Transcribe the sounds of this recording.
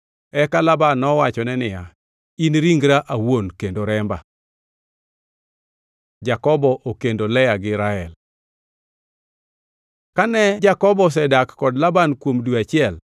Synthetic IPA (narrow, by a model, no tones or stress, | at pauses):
ɛkalabanːɔwat͡ʃɔnɛnɪja | inɾiŋɡɾaʔawonkendoɾɛmba̰ | d͡ʒakɔbɔʔokendolɛjaɡɪɾaɛl | kanɛd͡ʒakɔbɔs̬ɛdakːɔdlabankwomduat͡ʃɪɛl